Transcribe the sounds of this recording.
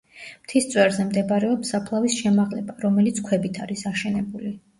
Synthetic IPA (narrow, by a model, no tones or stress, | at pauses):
mt̪ʰist̪sʼwɛɾzɛmd̪ɛbaɾɛɔpsapʰlˠavisʃɛmaʁlɛbaɾɔmɛlit̪sʰkʰwɛbit̪ʰaɾisaʃɛnɛbuli